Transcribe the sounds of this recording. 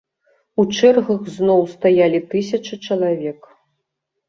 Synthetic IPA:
ut͡ʂɛrɣɐɣznɔwst̪ajalʲit̪ɨsʲɐt͡ʂɨt͡ʂɐlˠavʲɛk

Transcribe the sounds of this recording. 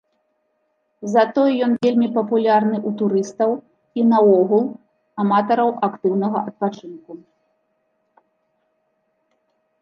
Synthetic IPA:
zɐt̪ɔjɛjɔnvʲelʲmʲipɐpulʲarnɨʔut̪uɾɨst̪ɐw | inɐwɔɣulˠ | amat̪ɐɾɐwʔakt̪ɨwnɐɣɐʔɐt̪̚pat͡ʂɨnku

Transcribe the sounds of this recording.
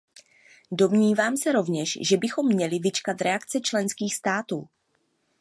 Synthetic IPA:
do̞mɲiːvaːmsɛɾo̞vɲɛʃʒɛbɪxo̞mːɲɛlɪvɪt͡ʃkat̪ɾɛakt͡sɛt͡ʃlɛnskiːxst̪aːt̪ṵː

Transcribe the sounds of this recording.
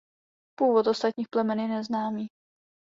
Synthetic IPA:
puːvot̪o̞st̪at̪ɲiːxplɛmɛnjɛnɛznaːmiː

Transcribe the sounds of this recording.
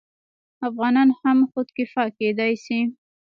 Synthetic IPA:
afɣɑnɑnhamxʊd̪kɪfɑked̪ɑjsi

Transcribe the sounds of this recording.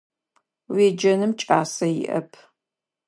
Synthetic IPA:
weːd͡ʒɐnɨmt͡ʃʼaːsɐjɪ̰ʔɐ̰pʰ

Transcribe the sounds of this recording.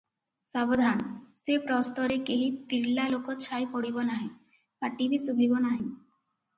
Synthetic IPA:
sabod̪ʱansepɾɔst̪ɔɾekeɦit̪iɾlalokot͡ɕʰajpɔɽibɔnaɦẽ | paʈibisubʱibonaɦẽ

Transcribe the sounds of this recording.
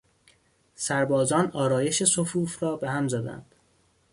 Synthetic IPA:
sæɾbɒːzɒːnɒːɾɒːje̞ʃe̞sofuːfrɒːbehæmzæd̪æ̰nd̪̥

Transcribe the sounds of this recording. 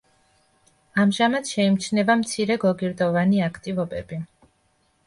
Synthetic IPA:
amʒamad̪ʃɛimt͡ʃʰnɛvamt̪sʰiɾɛɡɔɡiɾd̪ɔvaniakʰt̪ʼivɔbɛbi

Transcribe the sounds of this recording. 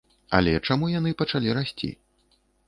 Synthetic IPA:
ɐ̰lʲɛt͡ʂamujan̪ɨpɐt͡ʂalʲiɾasʲt͡sʲḭ

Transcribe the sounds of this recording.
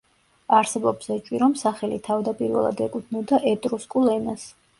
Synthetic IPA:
aɾsɛbɔbsɛt͡ʃʼwiɾɔmsaχɛlit̪ʰavd̪apʼiɾvɛ̰lˠa̰d̪ɛkʼut̪ʰnɔd̪aʔɛt̪ʼɾuskʼulˠɛnas

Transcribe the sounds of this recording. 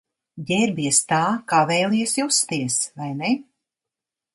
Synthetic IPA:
ɟʲɛɾbiɛst̪aːkavɛjlˠiɛsjust̪iɛsvajnɛ

